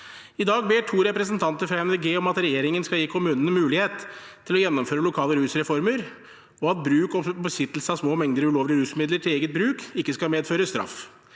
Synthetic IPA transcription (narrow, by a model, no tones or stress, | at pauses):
ɪd̪ɑːɡbeːʈʰuːɾɛpɾəsənt̪ʰɑnt̪əɾfɾɑɛnd̪ɛɡeːɔmɑt̪ɾɛjeːɾɪŋənskɑljiːkʰʊmʉːnənəmʉːlɪheːt̪ʰː | ɪlɔjɛnːɔmføːɾəlʊkʰɑːləɾʉːsɾɛfɔɾməɾ | ɔɑt̪̚bɾʉːkɔbəsɪt̪ːəlsəɑsmoːmɛŋd̪əɾʉloːʋlɪəɾʉːsmɪd̪ləʈʰɪleːɡət̪̚bɾʉːkɪkːəskɑmeːd̪føːɾəst̪ɾɑ̰f